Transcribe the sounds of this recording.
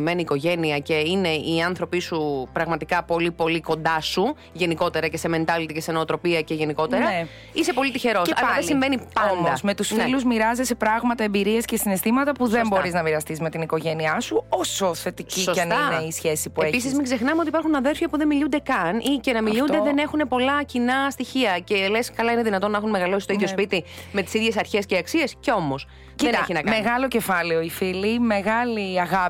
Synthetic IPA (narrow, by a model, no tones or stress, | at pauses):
meniːko̞ʝe̞niɐce̞ine̞iɐnθɾo̞pisupɾɐɣmɐt̪ikɐpo̞lipo̞liko̞nd̪ɐsu | ʝe̞niko̞t̪e̞ɾɐce̞seme̞nt̪ɐlit̪ice̞senooːt̪ɾo̞piɐce̞ʝe̞niko̞t̪e̞ɾɐ | ise̞po̞lit̪içe̞ɾo̞sɐɐðelsiɱvenipɐnmd̪ɐsme̞t̪usfneluzmiɾɐzesepɾɐɣmɐt̪ɐembiɾiescesine̞st̪imɐt̪ɐpuðembo̞ɾɾiznɐmiɾɐst̪izme̞t̪iniko̞ʝeniɐsuosoθe̞t̪iciosɐnɐneisçesipueeçpis̬izmiɡzexnɐmeot̪ipɐɾxunɐðe̞ɾfjɐpuðe̞nmiʎund̪ekɐnʔice̞nɐmilʎund̪eðene̞xune̞po̞lɐcinɐst̪içiɐce̞leskɐlɐineðinɐt̪onːɐexunmeɣɐlo̞sist̪oiðʝospit̪ime̞t̪i̥siðʝe̞sɐɾçe̞sceɐksie̞sce̞o̞mo̞s | cieneçinɐkmeɣɐlo̞ce̞fɐleoifilime̞ɣɐliɐɣɐ